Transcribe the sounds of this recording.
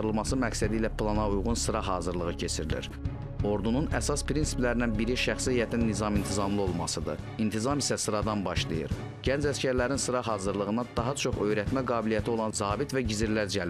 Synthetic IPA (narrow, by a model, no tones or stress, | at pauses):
ɾɯlˠmɑsɯmæksæd̪iːlæplˠɑnɑujʁunsɯɾɑɦɑːzɯɾlˠɯʁɯcʰe̞t͡ʃʰiɾilḭɾ | o̞ɾd̪ununæsɑspʰɾinsi̥plæɾinænbiɾiʃæχsiijæt̪ʰinːizɑmint̪ʰizɑmlˠɯo̞lˠmɑsɯd̪ɯ̰ | int̪ʰizɑmisæsɯɾɑd̪ɑnbɑʃlˠɯjɯ̰ɾ | ɟænd͡ʒæscæɾlæɾinsɯɾɑɦɑːzɯɾlˠɯʁɯnɑd̪ɑɦɑt͡ʃʰo̞χø̞jɾæt̪mæɡɑːbilijæt̪ʰio̞lˠɑnzɑːbit̪væɟiziɾlæɾd͡ʒæl